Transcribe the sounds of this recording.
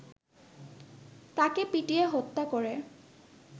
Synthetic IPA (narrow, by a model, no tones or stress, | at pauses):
takɛpitiɛɦɔt̪ːakɔɹɛ